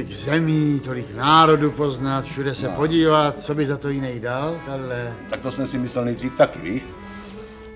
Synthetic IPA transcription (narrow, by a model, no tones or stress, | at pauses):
ɪɡzɛmiːt̪o̞lɪknaːɾo̞dupo̞znat̪fʃudɛsɛpo̞ɟiːvat̪̚t͡so̞bɪzat̪o̞jɪnɛjdalt̪adlɛt̪ak̚t̪osɛmsɪmɪslɛlnɛjd̪riːft̪akɪviːʃ